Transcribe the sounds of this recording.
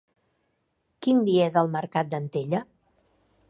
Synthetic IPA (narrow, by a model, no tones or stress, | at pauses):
kind̪iezəlˠməɾkat̪̚d̪ənt̪eʎə